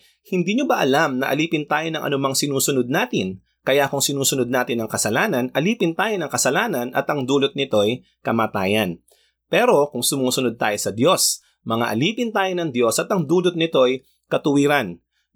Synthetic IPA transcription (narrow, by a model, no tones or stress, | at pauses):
hɪnd̪iːɲobɐʔɐlamnɐʔɐ̰liːpɪnt̪aːjonɐŋʔɐ̰nʊmaŋsɪnuːsʊnod̪̚naːt̪ɪn | kɐjakʊŋsɪnuːsʊnod̪̚naːt̪ɪnɐŋkɐsɐlaːnɐnʔɐliːpɪnt̪aːjonɐŋkɐsɐlaːnɐnʔɐ̰t̪ʔɐŋd̪uːlot̪̚nɪt̪o̞j | kɐmaːt̪a̰ːjɐn | pɛɾo̞kʊŋsʊmuːsʊnod̪̚t̪aːjosɐd̪jo̞s | mɐŋa̰ʔɐ̰liːpɪnt̪aːjonɐŋd̪jo̞sɐt̪ɐŋd̪uːlot̪̚nɪt̪o̞j | kɐt̪ʊwiːɾɐn